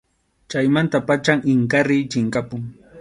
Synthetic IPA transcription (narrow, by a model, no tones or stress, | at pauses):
t͡ʃajmant̪apat͡ʃaŋɪŋkaɾɪjt͡ʃɪŋkapʊŋ